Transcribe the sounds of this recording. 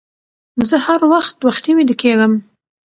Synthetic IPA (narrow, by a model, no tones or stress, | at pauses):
zəhaɾwaxt̪̚waxt̪iwid̪əkeɡəm